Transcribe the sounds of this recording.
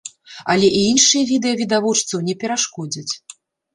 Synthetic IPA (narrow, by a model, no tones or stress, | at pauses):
ɐlʲɛʔiinʂɨjɛvʲid̪ɛjɐvʲid̪avɔt͡ʂt̪sɐwnʲɛpʲɛɾaʂkɔd͡zʲɐt͡sʲ